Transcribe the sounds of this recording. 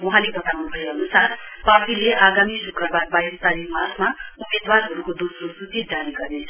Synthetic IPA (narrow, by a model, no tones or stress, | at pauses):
wuɦãlebʱʌt̪awnubʱʌjoʌnusarpaileʔaɡamiɾukrʌbad̪̚bajɾt̪aɾimarmaumed̪warɦʌɾukod̪ososut̪id̪aliɡʌɾe